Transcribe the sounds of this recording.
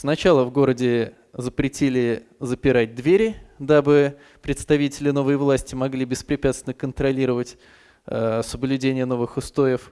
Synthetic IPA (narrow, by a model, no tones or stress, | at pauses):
snɐt͡ɕalˠəvɡo̞ɾədʲɪ | zəpɾʲɪtʲilʲɪzəpʲɪɾad̚ʲd̪vʲeɾʲd̪abɨ | pɾʲɪt̪st̪ɐvʲitʲɪlʲɪno̞vəjvlˠasʲtʲɪmɐɡlʲibʲɪspɾʲɪpʲæt̪st̪ʲɪnəkənt̪ɾɐlʲiɾəvətʲ | əsəblʲʉdʲenʲɪjəno̞vɨxʊst̪o̞jɪf